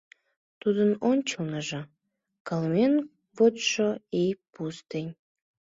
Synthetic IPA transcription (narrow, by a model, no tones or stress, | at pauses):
t̪ud̪ənonʲt͡ɕəlnəʒɤ̆ | kɑlmen | βot̪ʃoipust̪enʲ